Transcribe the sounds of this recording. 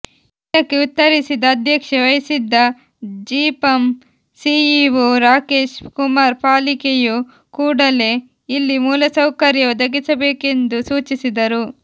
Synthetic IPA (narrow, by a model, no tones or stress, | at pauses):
id̪ɐkːe̞ut̪ːɐɾisid̪ɐːd̪ʱjɐkʂeʋɐjɐsid̪ːɐ | d͡ʒiːpɐm | siiʋuɾaːke̞ːʃkumaːɾpaːlikeju | kuːɽɐle̞ | ilːimuːlɐsɐwkɐɾjɐɔd̪ɐɡisɐbeːke̞nd̪usuːt͡ʃisid̪ɐɾu